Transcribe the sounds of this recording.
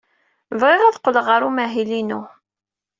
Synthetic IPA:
vʁeʁæðqːələʁəɾumæɦilinʊ

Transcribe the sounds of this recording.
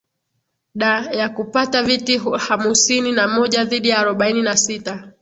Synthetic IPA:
ɗajakupatavitihamusininamɔʄaðiɗijaːɾɔɓaininasita

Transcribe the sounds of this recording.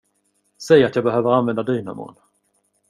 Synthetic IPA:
sɛjat̪jɑːɡ̚bɛɦøːvəɾanvɛnd̪ad̪yːna̰mo̰ːn

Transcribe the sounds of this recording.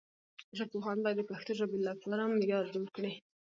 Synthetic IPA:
ʒapoxɑnd̪ɑd̪əpaxt̪oʒabɪlːapʰɑɾamːɪɡɑɾd͡ʒoɾkɽe

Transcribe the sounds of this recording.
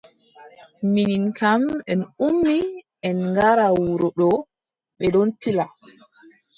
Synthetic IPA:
mininkʰamɛnumːi | ɛnŋɡaɾawuɾɔɗɔ | ɓɛɗɔnpila

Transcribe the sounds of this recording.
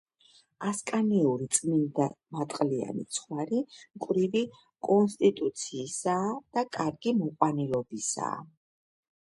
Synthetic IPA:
askʼaniɛuɾit̪sʼmind̪amat̪ʼqʼlia̰nḭt̪sʰχwaɾimkʼvɾivi | kʼɔnst̪ʼit̪ʼut̪sʰiːsad̪̥akʼaɾɡimɔqʼwanilɔbisa̰ː

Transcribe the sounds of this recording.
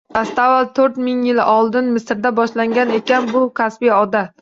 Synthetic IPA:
tʰast̪avalt̪ʰɵɾt̪mɪŋjɪlɒlˠd̪ɪnmɪsɾd̪abɒʃlaŋɡʲane̞kʲanbʊkʲʰasbijɒd̪a

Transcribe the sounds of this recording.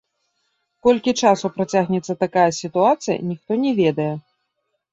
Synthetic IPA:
kɔlʲkʲit͡ʂasupɾat͡sʲaɣnʲɛt̪sːɐt̪akajɐsʲit̪uat̪sɨjɐ̰nʲixt̪ɔnʲɛvʲɛd̪ɐjɛ

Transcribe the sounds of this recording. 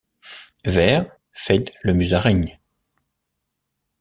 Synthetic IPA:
vɛːʁ | fɛt̪ləmyzaʁɛɲ

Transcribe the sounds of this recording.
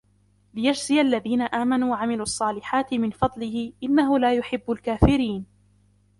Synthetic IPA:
lɪjad͡ʒzɪalːaðiːnaʔaːmanuːwaʕamɪluʔɑsˤːɑːlɪħaːt̪ɪmɪnfɑd̪ˤlɪhɪʔɪnːaɦʊlaːjʊħɪbːʊlkaːfɪɾiːn

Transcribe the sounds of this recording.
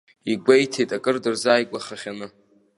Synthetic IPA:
iɡʷejtʰejtʼakʼɨrdɨrzaːjkʷʼaχaχʲanɨ

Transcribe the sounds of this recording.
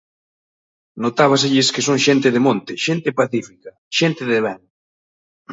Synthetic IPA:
not̪aβ̞as̬eʎɪskesoŋʃent̪eðemõnt̪ɪʃent̪epaθifika | ʃent̪eðeβɛn

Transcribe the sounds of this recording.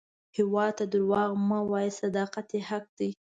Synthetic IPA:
hɪwɑd̪̚t̪ad̪ʊɾwɑɣmawɑjesad̪ɑqat̪ehaq̚d̪ij

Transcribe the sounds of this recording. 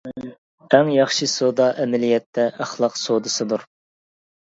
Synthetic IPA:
æŋjɑχʃisod̪ɑʔɛmɛlijɛt̪ʰːɛʔæχlˠɑqsod̪ɨsɨd̪uɾ

